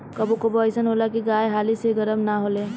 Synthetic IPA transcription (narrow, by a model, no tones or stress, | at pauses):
kəbukoboəɪsənɦolakiɡaːeɦaːliseɡəɾəmnaɦoleː